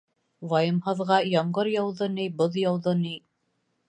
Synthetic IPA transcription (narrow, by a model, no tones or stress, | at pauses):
vɑjɤ̆mhɤ̆ðʁɑjɑɴɢɤɾjɑwðɤnijbɤðjɑwðɤnij